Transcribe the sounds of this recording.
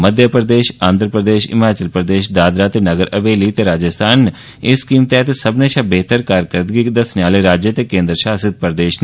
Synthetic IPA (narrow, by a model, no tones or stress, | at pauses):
məd̪ʱjəpɾd̪eːʃãːnd̪ɾəpɾəd̪eːʃɪ̰maːt͡ʃəlpɾd̪eːʃd̪aːd̪ɾat̪enɐɡəɾɐʋeːlit̪eɾaːd͡ʒəst̪ʰaːn | ɪskiːmt̪ɛt̪esɐbneʃabeːt̪əɾkaːɾkəɾd̪ɡid̪ɐsnaːleɾaːd͡ʒjət̪ekẽːnd̪ɾəʃaːsɪt̪̚pɾd̪eːʃn